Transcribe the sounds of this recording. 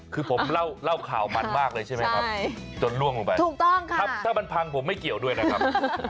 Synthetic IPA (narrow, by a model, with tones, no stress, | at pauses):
kʰɯː˧pʰo˩˦mla˥˩wla˥˩wkʰa̰ː˨˩˦wma˧nmaː˥˩k̚lɤː˧jt͡ɕʰa˥˩ma˦jkʰa˦˥p̚t͡ɕo˧nlu˥˩əŋluː˨˩pa˧jt̪ʰuː˨˧˩k̚t̪ɔ˥˩ŋkʰa˦˥˩t̪ʰaː˥˩ma˧npʰa˧ŋpʰo˩˦mːa˥˩jki˨˩əwdu˥˩əjna˦˥kʰa˦˥p